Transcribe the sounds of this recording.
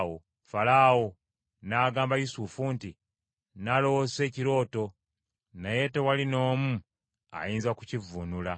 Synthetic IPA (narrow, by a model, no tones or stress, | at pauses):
wo | falaːwo | naːɡaːmbajusufunti | nalo̞wose̞ːciɾo̞ːto̞ | neje̞te̞walino̞ːmu | a̰jiːnzakucivunula